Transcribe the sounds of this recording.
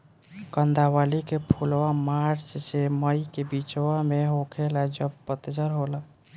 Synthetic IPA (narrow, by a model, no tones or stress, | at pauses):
kənd̪ʱawalikepʰulʋamaɾt͡ʃseməjkebit͡ʃwameɦokʰelad͡ʒəb̚pət̪d͡ʒəɾɦolə